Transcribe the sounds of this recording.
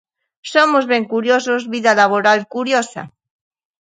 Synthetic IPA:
somozβeŋkuɾjosozβiðalaβ̞oɾalkuɾjosa̰

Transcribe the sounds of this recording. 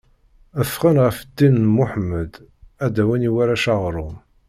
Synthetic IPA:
əfʁənʁəfd̪ːinːmʊħməd̪ | æd̪æwəniwaɾæʃaʁɾˤʊm

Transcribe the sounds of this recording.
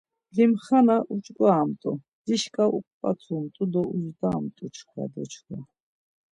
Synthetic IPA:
limχanaʔut͡ʃʼɡʼwaːmt̪ʼu | d̪̥iʃkʼaʔukʷʼpʼa̰t͡sʰumt̪ʼud̪ɔuzd̪aːmt̪ʼut͡ʃʰχwa̰d̪ɔt͡ʃʰχa

